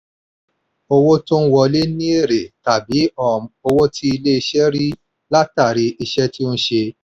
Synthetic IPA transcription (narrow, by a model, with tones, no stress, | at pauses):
o˧wo˦tũ˦wɔ˧le˦nĩ˦e˦˨ɾe˨ta˨bi˨˦ɔ˦˨m˨o˧wo˦ti˦i˧le˦i˧ʃɛ˦ɾi˦ | la˦ta˦˨ɾi˧ʔi˧ʃɛ˦ti˦n̩ũ˦ʃe˧